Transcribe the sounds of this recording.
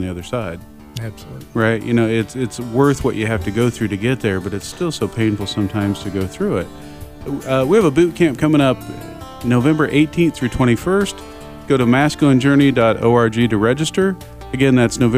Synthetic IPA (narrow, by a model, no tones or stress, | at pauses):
n̩ðiʌðə˞saɪd̥̚ | æb̥sɹaɪt̚jʔɨ̰noʊɪtsɪtswɜ˞θwʌt͡ʃɨhæftɨɡoʊθɹʉɾɨɡɛt̪̚ðə˞bʌɾɨtstɪlˠsoʊpʰẽɪ̃nfl̩ˠsʌ̃mtʰãɪ̃mz̥tʰɨɡoʊθɹʉɪt̚ | ʌwiɨvəbʉt̚kʰæ̃mp̚kʰʌ̃mɪ̃ŋʌp̚ | noʊvɛ̃mbə˞ʔeɪtʰĩnθɹʉtʰw̥ɛ̃ɾ̃ifɜ˞st | ɡ̥oʊɾəmæskɨ̃nd͡ʒɜ˞nidɑɾo̰ʊɑɹd͡ʒiɾɨɹɛd͡ʒɨstə˞ | ɨɡɛ̃nðætsnoʊv